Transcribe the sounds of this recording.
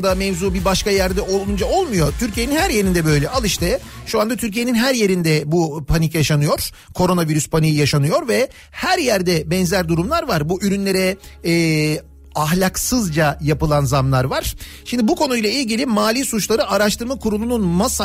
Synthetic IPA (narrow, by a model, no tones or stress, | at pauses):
d̪amɛvzuːbibaʃkajæɾd̪ɛʔo̞lˠund͡ʒao̞lˠmujo̞t̪ʰyɾcʰijeinhæɾje̞ɾind̪ɛbø̞jlʲɛʔalˠɯʃt̪ɛʃuand̪at̪ʰyɾc̬ijeninɦæɾje̞ɾind̪ɛbupʰanicjaʃanɯjo̞ɾ̥ | kʰo̞ɾo̞naviɾyspʰanijijaʃanɯjo̞ɾvɛ | hæɾjæɾd̪ɛbɛnzæɾd̪uɾumlˠaɾvaɾbuʔyɾynlʲe̞ɾɛː | aɦlʲaksɯzd͡ʒajapɯlˠanzamlˠaɾvaɾ̥ | ʃimd̪ibukʰo̞nujlˠailʲɟilʲimaːlʲiːsut͡ʃlˠaɾɯʔaɾaʃt̪ʰɯɾmakʰuɾulˠununmasa